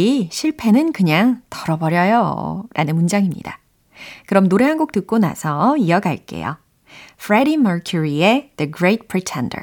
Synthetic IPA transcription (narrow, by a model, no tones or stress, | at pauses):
iɕʰiɭpʰe̞nɯnkɯɲaŋtʌɾʌbʌɾjʌjo̰ɾʔa̰nɯnmund͡ʑaŋimɲḭda̰ | kɯɾʌmnoɾe̞ɦanɡuk̚t͈ɯk̚k͈ona̰sʰʌiʌɡaɭk͈e̞̰jo̰ | fʰɾeɾimʌɹkʰjuɾieð̥ɯɡɾet̚pʰɹ̥itʰendə̰˞